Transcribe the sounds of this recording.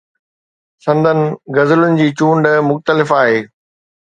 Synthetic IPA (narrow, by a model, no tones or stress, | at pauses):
sɐ̃nd̪ʱənɪ̆ɡɐzɪlʊnɪ̆d͡ʑiːt͡ɕũːɳɖmʊxt̪əlɪfaːɦeː